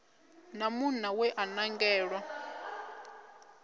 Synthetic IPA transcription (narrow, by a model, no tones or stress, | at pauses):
namunawɛʔanaŋɡɛːɺwa